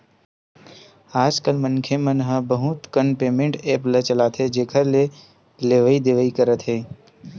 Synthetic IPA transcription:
aːd͡ʒkəlmənkʰemənɦəbəɦut̪kənpeːmẽɳʈeːplət͡ʃəlaːt̪ʰed͡ʒeːkʰəɾle | leːʋəid̪eːʋəikəɾət̪ɦeː

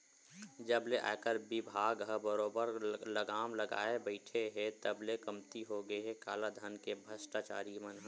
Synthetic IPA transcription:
d͡ʒəbleʔa̰kəɾbɪbʱaːɡɦəbəɾoːbəɾləɡaːmləɡa̰ːebəɪʈʰeɦɛ̃t̪əblekəmt̪iɦoɡəeɦɛkaːlad̪ʱənkebʱəsʈat͡ʃa̰ːɾimənɦ

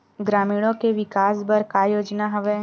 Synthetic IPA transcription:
ɡɾaːmiːɽ̃õkeʋɪkaːsbɐɾkajoːd͡ʒnaɦɐʋe

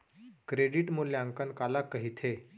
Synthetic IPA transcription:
kɾeɖiːʈmolːjaŋkənkalakːəɦit̪ʰe

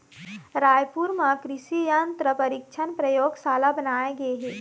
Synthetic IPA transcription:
ɾaːjpuɾmãkɾɪʃijənt̪ɾəpəɾikt͡ʃʰənpɾəjoːɡsaːlabənaːeɡɐeɦeː

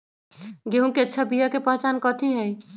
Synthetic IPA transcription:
ɡeɦũkeətːt͡ʃʰabijakepəɦt͡ʃankɔt̪ʰiɦɛj

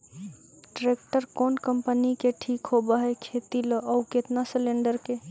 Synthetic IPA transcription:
ʈɾekʈəɾkonkəmpənikeʈʰikɦobəɦɛkʰet̪iləʔɔuket̪nasəleɳɖəɾke

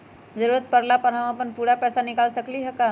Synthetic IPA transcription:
zəɾuːɾət̪̚pəɾlapəɾ̤aʋãpənpuːɽapɛːsanɪkaːlsəkliɦɛka

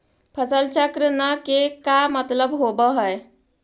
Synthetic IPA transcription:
pʰəsəlt͡ʃəkɾənəkekamət̪ləbɦobəɦəj

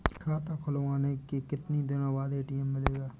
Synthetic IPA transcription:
kʰaːt̪akʰʊlʋaːnekikɪt̪nid̪ɪnabaːd̪eːʈiːmːɪleːɡaː

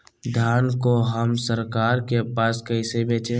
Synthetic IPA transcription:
d̪ʱjaːnkoɦəmsəɾkaːɾkepaːskəɪsebẽːt͡ʃẽː

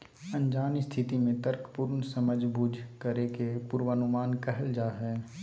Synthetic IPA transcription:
ə̃nd͡ʒaːnist̪ʰɪt̪imẽt̪əɾkpuːɾnsəməd͡ʒʱbʱud͡ʒʱkəɾekepuːɾʋəənʊmaːnkɛɦəld͡ʒaːɦɛ

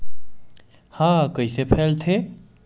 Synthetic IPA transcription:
hãːkəisepʰeːlt̪ʰe

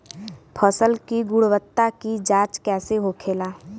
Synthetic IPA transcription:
pʰəsəlkiɡʊɽwət̪ːakid͡ʒaːt͡ʃkɛːseɦokʰeːlaː

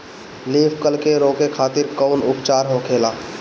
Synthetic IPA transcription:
liːpʰkəlkeɾoːkekʰaːt̪ɪɾkəʊnʊpt͡ʃaːɾɦokʰeːlaː

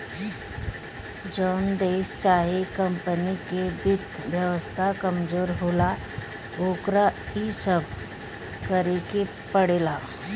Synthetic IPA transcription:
d͡ʒɔːnd̪eːst͡ʃaːɦekə̃mpənikebɪt̪ʋjəʋəst̪ʰakəmd͡ʒoːɾɦoːla | oːkɾaisəb̚ʱ | kəɾeke | pəɽeːlaː

